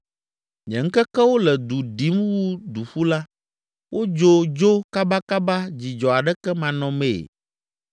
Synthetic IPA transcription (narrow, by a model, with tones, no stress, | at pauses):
ɲɛ̰̃˨ŋ̩˦kɛ˦kɛ˦wo˦lɛ˨d̪u˨ɖi˨˦mwu˦d̪u˨ɸu˦la˦ | wʔo˦d͡ʒo˦d͡ʒo˦ka˦ba˦ka˦ba˦d͡ʑi˨d͡ʒɔ˨a˨ɖɛ˦kɛ˦mã˨nɔ̃˨mḛ˦˨